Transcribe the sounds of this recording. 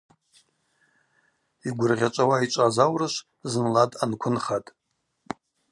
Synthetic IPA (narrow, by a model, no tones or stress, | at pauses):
iɡʷʊrʁʲat͡ʃʷʼawait͡ʃʷʼazawrɨʃʷ | zɨnladʼankʷʰʊnχatʼ